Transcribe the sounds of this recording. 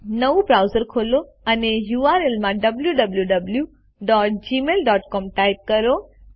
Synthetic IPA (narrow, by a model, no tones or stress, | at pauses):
nəʋũbɾaʊzəɾkʰolo | ənejuːaɾelmãɖəbljuɖəbljuɖəblju | ɖɔːʈ̚d͡ʒimelɖɔːʈkɔmʈajp̚kəɾo